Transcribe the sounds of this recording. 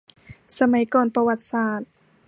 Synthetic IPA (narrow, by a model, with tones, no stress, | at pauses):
sa˧ma˨˦jkɔː˧˨npa˧wa˧˩t̪̚saː˧˩t̪̚